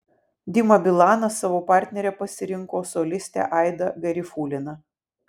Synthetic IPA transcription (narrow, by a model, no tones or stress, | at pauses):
d̪ʲɪmɐbʲɪlˠɑːnɐsɑʋoːpɑˑɾʲt̪ʲnʲɛɾʲɛpɐsʲɪɾʲɪŋkoːsɔlʲɪsʲt̪ʲæ̰ʔɑɪd̪ɐɡɐɾʲɪfuːlʲɪnɐ